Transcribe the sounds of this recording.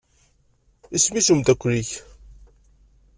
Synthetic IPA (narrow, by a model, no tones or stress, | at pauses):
ismisumd̪ækʷːɾiç